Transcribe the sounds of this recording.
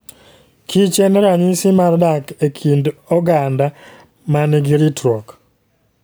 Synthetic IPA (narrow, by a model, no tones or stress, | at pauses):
kit͡ʃɛnɛɾaɲisɪmardakekʰindɔɡanda | manɛɡiɾitɾɔk